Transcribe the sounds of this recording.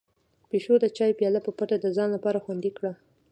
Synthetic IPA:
peʃod̪ət͡ʃɑjpjɑlapəpaʈad̪əzɑnlapɑɾaxwand̪ikɽa

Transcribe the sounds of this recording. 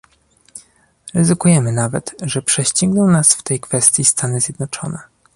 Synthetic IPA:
ɾɛzɘkujɛmɘnavɛt̪ʐɛpʂɛɕt͡ɕɛŋɡnɔ̃w̃nasft̪ɛjkfɛst̪ʲjist̪ʰanɘzʲjɛd̪nɔt͡ʂɔ̰nɛ

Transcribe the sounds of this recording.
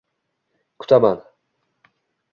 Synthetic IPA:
kʰʊ̥t̪ʰaman

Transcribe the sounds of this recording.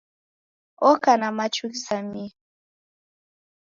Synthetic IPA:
okanamat͡ʃuksami

